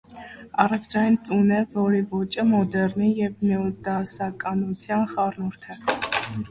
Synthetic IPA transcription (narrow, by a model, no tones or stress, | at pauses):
ɑrɛvd̪ɾɑjint͡sʼunɛvɔɾivɔt͡ʃʼəmɔd̪ɛɾnijɛvmɛɔd̪ɑsɑkʼɑnut͡sʰjɑnχɑrnuɾt̪ʰɛ